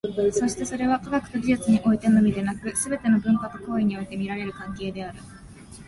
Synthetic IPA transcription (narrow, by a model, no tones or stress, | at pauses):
so̞ɕi̥t̪e̞so̞ɾe̞β̞akaɡakɯ̟̥t̪o̞ɡʲiʑɨt͡sɨɲ̟iʔo̞it̪e̞nomʲid̪e̞nakɯ̟sɨbe̞t̪e̞no̞bɯ̟̃ŋkat̪oko̞ːiɲ̟io̞it̪e̞mʲiɾaɾe̞ɾɯ̟kãŋke̞ːd̪e̞aɾɯ̟